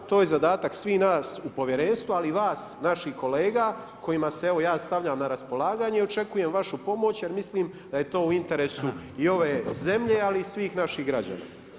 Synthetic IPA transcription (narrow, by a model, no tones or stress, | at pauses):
t̪oːjezad̪aːt̪aksʋiːnaːsupo̞ʋje̞ɾeːnst̪vualiʋaːsnaʃihko̞leːɡa | ko̞jimasee̞ʋo̞jaːst̪aʋʎaːmnaɾaspo̞lˠaːɡaːɲeio̞t͡ʃe̞kuje̞mʋaʃupo̞mo̞t͡ɕjeɾmisliːm | d̪̥ajet̪o̞ːuint̪e̞ɾe̞ːsuio̞ʋe̞ːze̞mʎealiːsʋiːxnaʃiɦɡɾad͡ʑa̰na̰ː